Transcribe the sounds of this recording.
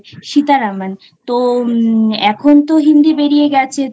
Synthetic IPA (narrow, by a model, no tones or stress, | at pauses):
ʃit̪aɾaman | t̪o | ɛkʰont̪oɦind̪ibeɾijeɡɛt͡ɕʰe